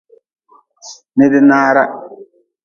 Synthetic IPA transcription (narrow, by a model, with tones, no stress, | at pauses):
nɪ˦dɪ˦naː˦ɾa˦